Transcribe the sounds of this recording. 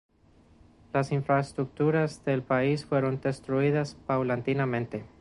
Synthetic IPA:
lasiɱfɾaest̪ɾuk̚t̪uɾazðe̞lpaisfwe̞ɾo̞nd̪e̞st̪ɾuiðaspawlant̪inamẽ̞nt̪e̞

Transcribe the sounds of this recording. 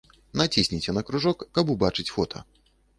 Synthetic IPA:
nat͡sʲisʲnʲit͡sʲɛnɐkɾuʐɔkːabubat͡ʂɨt͡sʲfɔt̪ʰɐ̰

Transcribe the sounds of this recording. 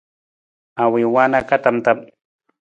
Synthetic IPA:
awɪwanakat̪amt̪am

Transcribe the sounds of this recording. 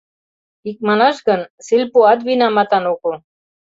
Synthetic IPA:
ik̚manaʃɡənsilpoad̪ʋinamat̪anoːko

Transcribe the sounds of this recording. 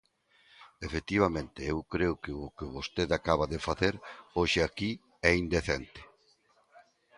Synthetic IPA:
efet̪iβ̞amẽnt̪ɪewkɾeʊkɪʊkɪβost̪eðakaβaðefaθeɾoʃɪaki | ɛind̪eθɛnt̪ɪ̥

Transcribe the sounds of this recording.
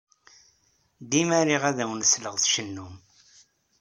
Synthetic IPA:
d̪imæɾiʁæðæwnəsləʁθʃənːum

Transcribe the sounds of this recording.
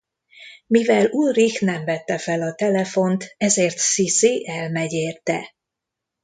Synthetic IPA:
mivɛlurixnɛmvɛt̪ːɛfɛlɒt̪ɛlɛfo̞nt̪ɛzeːrt̪sisiʔɛlmɛɟeːrt̪ɛ̰

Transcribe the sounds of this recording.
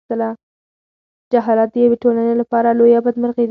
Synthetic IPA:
əla | d͡ʒaɦɑlɑt̪̚d̪əjaweʈolanelapɑɾalojabad̪məɾɣed̪

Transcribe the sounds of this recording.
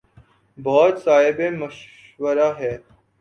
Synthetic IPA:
bɔːt̪saːɦɪbeməʃ | ʋəɾaɦɛː

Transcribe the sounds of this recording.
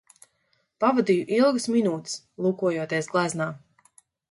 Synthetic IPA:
pavad̪ijuʔilˠɡɨsminuːt̪s | lˠuːkuɔjuɔt̪iɛsɡlˠaznaː

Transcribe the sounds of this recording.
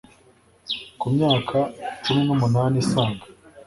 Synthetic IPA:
kumɲaːkʰat͡ʃuminumunaːnisaːŋɡḁ

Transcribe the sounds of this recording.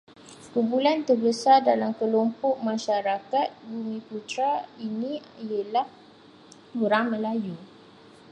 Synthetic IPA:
kubulant̪ərbəsardalamkəlɔmpɔʔ̚mãʃaɾakat̪̚bumĩput̪ɾainĩiəlah | oɾaŋmə̃laju

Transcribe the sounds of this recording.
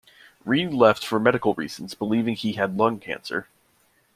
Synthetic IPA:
ɹilɛftfə˞mɛɾɨkl̩ˠɹḭz̥n̩zb̥əlivɪ̃ŋiɨdˡlʌ̃ŋkʰæ̰̃nsə̰˞

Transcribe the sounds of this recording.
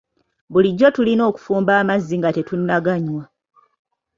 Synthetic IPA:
βuliɟːo̞tulino̞ːku̥fuːmbaːmazːiŋɡate̞tunːaɡaɲwa

